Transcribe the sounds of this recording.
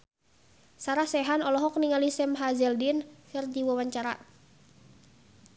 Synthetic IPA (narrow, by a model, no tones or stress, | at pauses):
saɾahsɛɦanɔlɔɦɔk̚niŋalisɛmɦazɛldinkɨrd͡ʒiwɔwaɲt͡ʃaɾa̰